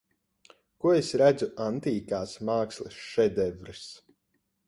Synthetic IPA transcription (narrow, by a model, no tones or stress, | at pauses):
kuɔesɾæd̪zuʔant̪iːkaːsmaːkslˠɨsʃɛd̪ɛvɾɨs